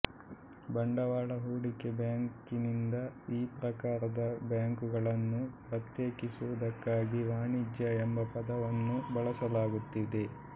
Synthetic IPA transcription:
bɐɳɖɐʋaːɭɐɦuːɽike̞bjaːŋkinind̪ɐiːpɾɐkaːɾɐd̪ɐbjaːŋkuɡɐɭɐnːupɾɐt̪jeːkisuʋɐd̪ɐkːaːɡiʋaːɳid͡ʒjɐembɐpɐd̪ɐʋɐnːubɐɭɐsɐlaːɡut̪ːid̪e̞

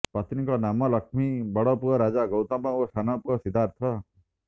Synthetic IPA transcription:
pɾat̪ʰnikɔnamɔlɔkmibɔɽɔpuɔɾad͡ʒaɡɔwt̪amɔosʰanɔpuɔsid̪ʱaɾt̪ʰɔ

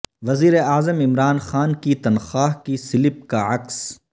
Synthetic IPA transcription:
ʋɐziːɾeaːzəmɪmɾaːnxaːnkit̪ɐnxaːɦkisɪlɪp̚kaɐks

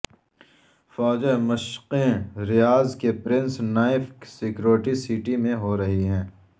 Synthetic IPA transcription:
fɔːd͡ʒemɐʃqẽɾɪjaːzkepɾɪ̃nsnaːɪfksɪkɾoːʈisiːʈimẽɦoɾɐɦiɦɛ̃ː

